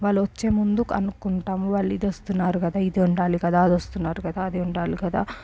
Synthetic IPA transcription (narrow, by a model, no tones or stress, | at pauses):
ʋaːɭːuʋɐt͡ʃːeːmund̪ukɐ̰nukuɳʈaːmuʋɐːɭːid̪ost̪unːaːɾukɐd̪aːid̪iuɳʈaːlikɐd̪aːɐd̪ost̪unːaːɾukɐd̪aːɐd̪iuɳʈaːlikɐd̪aː